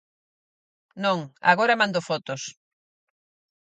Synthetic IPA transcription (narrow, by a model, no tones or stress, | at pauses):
nõŋa̰ɣoɾamãnd̪ofɔt̪os